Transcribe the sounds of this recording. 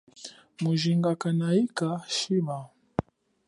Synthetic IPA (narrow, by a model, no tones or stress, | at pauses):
muʒiŋɡakanaikaʃiɓa